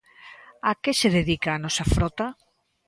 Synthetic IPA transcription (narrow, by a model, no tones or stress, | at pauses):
akeseðeðikaːnɔsafɾot̪a